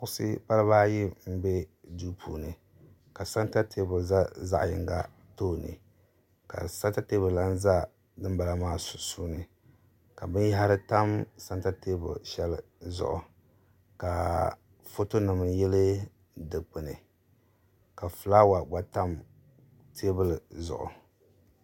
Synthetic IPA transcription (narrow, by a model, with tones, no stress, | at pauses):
ʊ˦sɨ̰˦pa˦lɨ˦βaː˦ji˦m̩˦be˦du˦pʰuː˨nɨ˨ | ka˨sa˦nta˦tʰe˦bʊ˨za˦za̰˦ʔjɪ̰˨ŋɡa̰˦ | toː˦˨nɨ̰˨ | ka̰˨sa˦nta˦te˦bʊ˨la˦n˦za˦ | dɨ˦m˦ba˨la˨maː˦sʊ̥˨suː˦nɨ˨ | ka˨bɨ˦n˦ɦa˦ɾɨ˦ta˦msa˦nta˦teː˦bʊ̰˨ʃɛ˦lɨ˦ | zʊ̰˨ʔʊ̰˨ | ka˨ | fo˦to˦nɨ˨mɨ˨jɛ˦lɨ˦ | dɨ˨k͡pɨ˨nɨ˨ | ka˨fɨ˨la˦wa˨ɡ͡ba˦ta˦m | tʰe˦bɨ˦lzʊ̰˨ʔʊ̰˨